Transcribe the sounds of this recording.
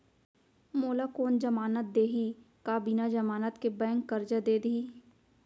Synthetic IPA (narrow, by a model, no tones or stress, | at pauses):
moːlakoːnd͡ʒəmaːnət̪̚d̪eːɦikaːbiːnad͡ʒɐmaːnət̪kebɛ̃ːŋkːəɾd͡ʒəd̪eːd̪iː